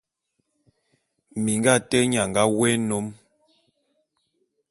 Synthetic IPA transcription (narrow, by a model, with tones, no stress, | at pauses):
mi˨ŋɡa˦˨tɛ˦ɲa˨ŋɡa˦wɛ˦no˨˦m